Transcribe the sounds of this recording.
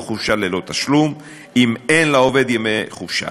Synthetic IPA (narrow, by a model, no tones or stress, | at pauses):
χufʃalelo̞t̪aʃlum | imenlaove̞d̪jemeχuvʃa̰